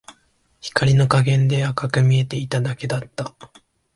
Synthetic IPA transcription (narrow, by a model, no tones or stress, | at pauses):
çi̥kaɾʲino̞kaɡẽ̞nd̪e̞akakɯ̟mʲie̞t̪e̞it̪ad̪ake̞d̪at̪ːa